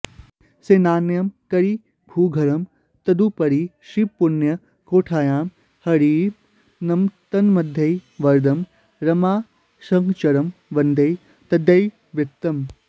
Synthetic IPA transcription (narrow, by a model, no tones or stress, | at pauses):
seːnaːnjɐmkɐɾi | bʱuːɡʱɐɾɐm | t̪ɐd̪upɐɾiʃipunjɐ | koːʈʰaːjaːm | hɐɾiː | nɐmt̪ɐnmɐd̪ʱjɐjʋɐɾd̪ɐm | ɾɐmaː | ʃɐŋkt͡ʃɐɾɐmʋɐnd̪ʱɐj | t̪ɐd̪ʱjɐj | ʋɐkt̪ːɐm